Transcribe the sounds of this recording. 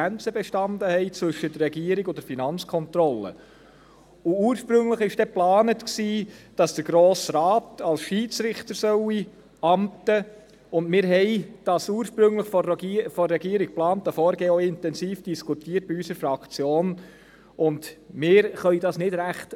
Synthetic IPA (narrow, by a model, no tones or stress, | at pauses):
ænt͡səbɛʃtɑnd̪əhɛɪt͡sʋɵʃːədərːɛɡiːəɾiɡʊdəɾfinɑnt͡skʰɔnt̪ɾɔlːə̰ | ʊuːɾʃpɾɵŋləχɪʃd̥ɛplɑːnətksiːd̥ɑsd̥əɾɡ̥ɾoːsɾɑːtɑlsʃiːt͡sɾɪχt̪əɾsœwi | ɑmtə | ʊndmɪːɾɦɛɪd̥ɑsuːɾʃpɾɵŋləχfɔfɔrːɛɡiːɾik̚plɑːntəfɔːɾɡ̥eːɔɪntɛnsiːfd̥iskʰutiːəɾt̚b̥iysəɾfɾɑkt͡sjoːn | ʔʊndmɪːɾχœjdɑsnɪd̥ɾæχt